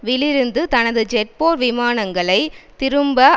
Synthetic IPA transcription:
ʋɪɭɪɾɯnd̪ɯt̪ɐnɐðɯd͡ʒɛʈ̚poːɾʋɪmaːnɐŋɡɐɭɐɪt̪ɪɾɯmbɐ

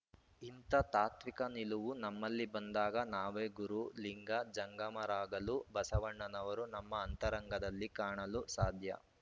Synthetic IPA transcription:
int̪ɐt̪aːt̪ʋikɐniluʋunɐmːɐlːibɐnd̪aːɡɐnaːʋeːɡuɾuliŋɡɐd͡ʒɐŋɡɐmɐɾaːɡɐlubɐsɐʋɐɳːɐnɐʋɐɾunɐmːɐːnt̪ɐɾɐŋɡɐd̪ɐlːikaːɳɐlusaːd̪ʱjɐ̰

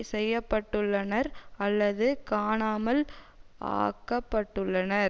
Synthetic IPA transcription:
sɛjːɐpːɐʈːɯɭːɐnɐɾɐlːɐðɯkaːɳaːmɐl | ʔa̰ːkːɐpːɐʈːɯɭːɐnɐɾ

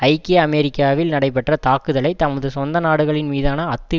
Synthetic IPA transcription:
ɐɪkːeɐmɛɾɪkːaːʋɪlnɐɽɐɪp̬ɛʈrɐt̪aːkːɯðɐɭɐɪt̪ɐmɐðɯsɔnd̪ɐnaːɽɯɣɐɭɪnmiːðaːnɐːt̪ːɯ

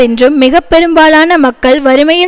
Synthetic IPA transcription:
ɪndrɯmːɪɣɐpːɛɾɯmbaːlaːnɐmɐkːɐɭʋɐɾɯmɐjɪ

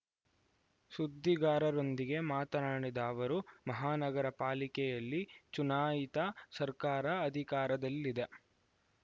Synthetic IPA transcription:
sud̪ʱːiɡaːɾɐɾond̪iɡe̞maːt̪ɐɾaːɳid̪aːʋɐɾumɐɦaːnɐɡɐɾɐpaːlikɛjɐlːit͡ʃunaːjit̪ɐsɐɾkaːɾɐːd̪ʱikaːɾɐd̪ɐlːid̪e̞

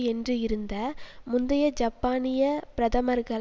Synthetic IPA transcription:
ɛndrɯɪɾɯnd̪ɐmʊnd̪ɐjɐd͡ʒɐpːaːnɪjɐpɪɾɐðɐmɐɾɣɐ

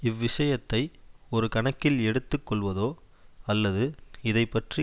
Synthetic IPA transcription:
ɪʋːɪʂɐjɐt̪ːɐɪɔɾɯkɐɳɐkːɪlɛɽɯt̪ːɯkːɔɭʋɐðoː | ɐlːɐðɯɪðɐɪpːɐʈri

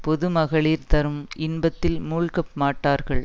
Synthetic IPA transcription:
pɔðɯmɐɣɐɭiːɾt̪ɐɾɯmɪnbɐt̪ːɪlmuːɭkɐpmaːʈːaːɾɣɐɭ

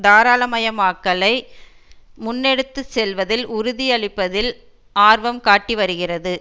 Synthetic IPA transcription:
d̪aːɾaːlɐmɐjɐmaːkːɐlɐɪ | mʊnːɛɽɯt̪ːɯsɛlʋɐðɪlʔʊɾʊðiɐɭɪpːɐðɪl | aːɾʋɐmkaːʈːiʋɐɾɯɣɪrɐðɯ

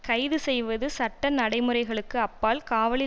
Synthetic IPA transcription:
kɐɪðɯsɛjʋɐðɯsɐʈːɐnɐɽɐɪmɯrɐɪɣɐɭɯkːɯɐpːaːlkaːʋɐɭɪ

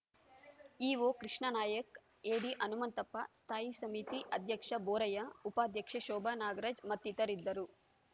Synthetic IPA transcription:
iːʋoːkɾiʂɳɐnaːjɐk | eːɽiʔɐnumɐnt̪ɐpːɐ̰st̪ʰaːjisɐmit̪iʔɐd̪ʱjɐkʂɐbɔːɾɐjɐupaːd̪ʱjɐkʂɐʃɔːbʱɐnaːɡɐɾɐd͡ʒmɐt̪ːit̪ɐɾid̪ːɐɾu

